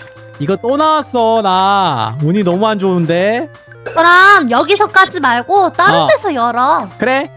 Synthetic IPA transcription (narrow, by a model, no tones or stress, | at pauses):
iɡʌt͈onawas͈ʌnamuɲinʌmuɦand͡ʑoɯnde̞ | t͡ɕʌɾamjʌɡisʰʌk͈ad͡ʑimaɭɡot͈aɯtesʰʌjʌɾʌkɯɾe̞